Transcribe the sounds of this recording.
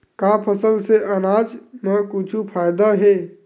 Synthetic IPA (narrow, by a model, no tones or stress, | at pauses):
kapʰəsəlseʔənad͡ʒməkut͡ʃʰupʰajd̪aɦe